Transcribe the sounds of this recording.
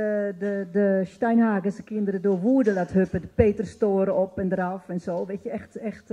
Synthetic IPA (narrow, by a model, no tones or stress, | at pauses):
dədəstɛjnhaːɡəsəkɪndəɾədoəʋuədəlathøpədəpeːtərstoəɾəɔpɛndəɾafɛnsoːʋetjəɛxtɛxt